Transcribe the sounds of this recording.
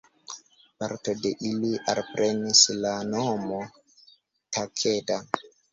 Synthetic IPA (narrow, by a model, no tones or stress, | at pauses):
paɾto̞de̞ʔiliʔa̰lpɾʔe̞nislano̞mo̞ | takʰe̞da